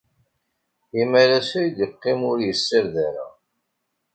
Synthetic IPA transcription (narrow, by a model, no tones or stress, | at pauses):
imæɾasɾid̪jəqːɪmʊɾjəsːiɾðæɾa̰